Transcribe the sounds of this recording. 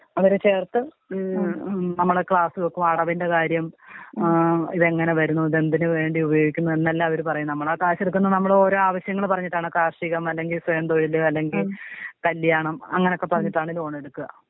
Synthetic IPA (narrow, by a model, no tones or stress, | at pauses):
ɐʋɐɾet͡ɕe̞ːrt̪ːɨ | nɐmːɐɭkɭaːsɨɣokːumɐɽɐʋinde̞kaːɾjɐm | iðe̞ŋːɐne̞ʋɐɾunːuɐðe̞nd̪inɨʋe̞ːɳɖiubɐjo̞ːɡikʲːunːɐðenːɐlːaːɐʋɐɾupɐrɐɲːunɐmːɐɭaːkaːɕɐɽukːunːɐnɐmːɐɭoɾo̞ːaːʋɐɕjɐŋːɐɭpɐrɐɲːiʈːaːɳɨkaːʂiɣɐmɐlːe̞ŋɡilswejɐnd̪oɻilɨɐlːe̞ŋɡilkɐlːjaːɳɐmɐ̰ŋːɐneo̞kːe̞pːɐrɐɲːiʈːaːɳilo̞ːɳe̞ɽukːuɣɐ̰